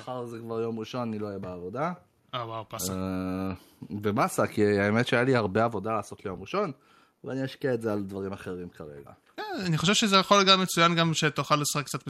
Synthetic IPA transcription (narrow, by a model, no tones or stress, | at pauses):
aχaʁzekvaʁjo̞mʁiʃo̞nanilo̞ajebeavo̞d̪a | awawpa | bemasakiaemetʃeajalihaʁbe̞avo̞dalaːso̞t̪lejo̞mʁiʃo̞n | veaniaʃkiaetzeald̪vaʁimaχe̞ʁimkaʁe̞̰ɡa̰ | kenaniχoʃe̞vʃezejaχo̞lɡamːet͡sujanɡamʃet̪aχalːesḁχek̚t͡sat̪m